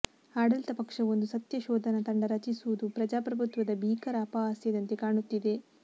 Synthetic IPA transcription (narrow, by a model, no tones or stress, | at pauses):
aːɽɐlt̪ɐpɐkʂɐʋo̞nd̪usɐt̪jɐʃɔːd̪ʱɐnɐt̪ɐɳɖɐɾɐt͡ʃisuʋud̪upɾɐd͡ʒaːpɾɐbʱut̪ʋɐd̪ɐbʱiːkɐɾaːpaaːsjɐd̪ɐnt̪e̞kaːɳut̪ːid̪e̞